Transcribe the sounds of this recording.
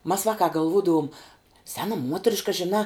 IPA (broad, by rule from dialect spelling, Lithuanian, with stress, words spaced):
mɐs ˈʋɑːkɑː ɡɐlˠˈʋuːdɐʋʊm ˈsʲæːnɐ ˈmuɔtʲrʲɪʃkɐ ʒʲɪˈnɑː